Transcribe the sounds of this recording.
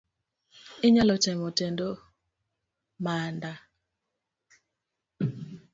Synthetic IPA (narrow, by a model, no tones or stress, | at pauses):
ɪɲalɔtɛmotɛndo | manda